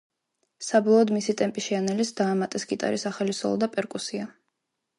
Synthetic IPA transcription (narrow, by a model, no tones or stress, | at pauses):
sabɔlˠɔːd̪misit̪ʼɛmpʼiʃɛanɛlisd̪aːmat̪ʼɛsɡit̪ʼa̰ɾisaχɛlisɔ̰lˠɔ̰d̪apʼɛɾkʼusia